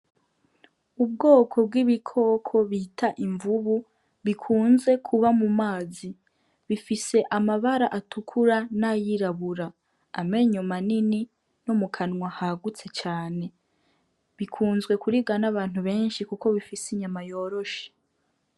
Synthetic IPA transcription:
ub̚ɡo̞ːkʰo̞b̚ɡiβikʰo̞ːkʰo̞βitʰaʔiɱvuβu | βikʰuːnze̞kʰuβamumaːzi | βifise̞ʔamaβaɾaʔatukʰuɾanajiɾaβuɾaː | me̞ɲomanini | nomukʰanŋwahaɡut͡se̞t͡ʃaːne̞ | βikʰuːnzɡwe̞kuɾiɡanaβaːn̥huβe̞ːnʃikuko̞βifisiɲamajo̞ːɾo̞ʃe̥

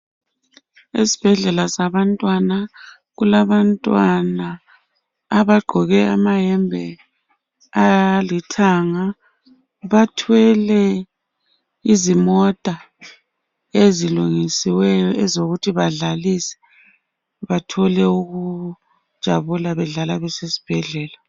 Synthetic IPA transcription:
isi̥b̥ʱɛɮɛlasaβantʼwana | ɣulaβantʼwanaː | βaɡ͡ǃʱɔɣɛamaɦɛmbʱɛ | alitʰaŋa | βatʰwɛlɛ | izimɔtʼa | eziluŋisiwɛjɔʔɛzoɣutʰiβaɮalisɛ̥ | βatʰɔlɛuɣu | d̥ʒ̥ʱaβulaβɛɮalaβɛsesi̥b̥ʱɛɮɛːla

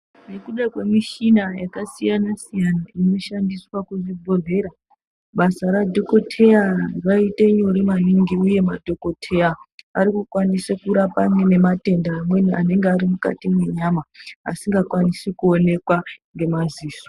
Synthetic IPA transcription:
ne̞kuɗakwe̞miʃinajakasijanasijanaʔino̞ʃandiswakuʐibʱo̞ɮe̞ːɾa | ɓasaɾadʱo̞ko̞tʰearaite̞ɲo̞ɾimaniŋɡiuje̞madʱo̞ko̞tʰe̞aaɾikukwanisekuɾapamwe̞ne̞mate̞ndaːmwe̞niane̞ŋɡeaɾimuka̰timwe̞ɲama̰ːsiŋɡakwanisikuo̞ne̞kwaŋɡe̞maziːso

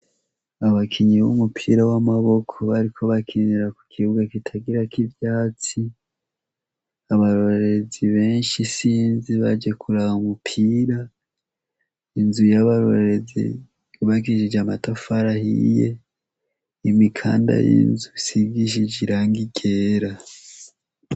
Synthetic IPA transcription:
aβakʰiɲiβṵmupʰiːɾawamaβo̞kʰo̞βaɾikʰo̞βakʰiniɾaku̥kʰiuɡakitʰaɡiɾakivjaːt͡si | aβaɾoɾeziβe̞ːnʃisiːnziβad͡ʒe̞kʰuɾahaumupʰiːɾa | inzujaβaɾoɾezḭ | βakiʃid͡ʒamatofaɾahḭje̞̰ | imikʰa̰ːnda̰jḭnzusiɡiʃid͡ʒiɾaːŋɡiɡeːɾa

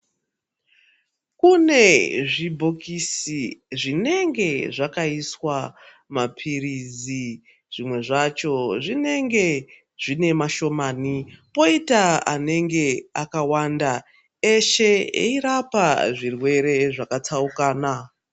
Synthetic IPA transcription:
kune̞ʐibʱo̞kisiʐine̞ŋɡe̞ʐakaiswa | mapʰirizi | ʐ̥imwe̞ʐat͡ʃo̞ʐine̞ŋɡe̞ | ʐ̥ine̞maʃo̞manipo̞itaa̰ne̞ŋɡe̞akawanda | e̞ʃe̞ḛiɾapaʐirwe̞ɾe̞ʐakat͡saukaːna

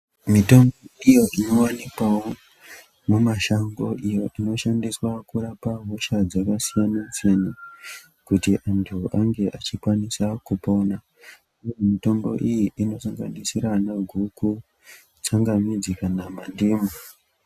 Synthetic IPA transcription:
mito̞mboijo̞ʔinowanikwawo | mumaʃaŋɡo̞̰ʔijo̞ʔino̞ʃandiswakuɾapaɦoʃad͡zakasijanansene | kutiʔantʰuʔaŋɡe̞ʔat͡ʃikwanisakupona | ujomito̞mbo̞̰ʔijiʔino̞saŋɡa̰nisiɾanaɡʱuku | t͡saŋɡamid͡zikanamandiːmu

